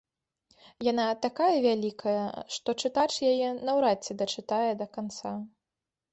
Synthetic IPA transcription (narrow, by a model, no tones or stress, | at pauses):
janat̪akajɐvʲalʲikʰɐjɐ̰ʂt̪ɔt͡ʂɨt̪at͡ʂjajɛnɐwɾatt͡sʲːɛd̪ɐt͡ʂɨt̪ajɛd̪ɐkant̪sa